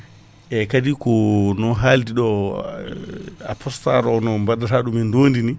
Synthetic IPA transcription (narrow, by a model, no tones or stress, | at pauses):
ʔɛkadikɔnɔɦaldiɗɔ | a̰pʰɔsta̰ɾɔɔnɔmbadataɗumindoːndini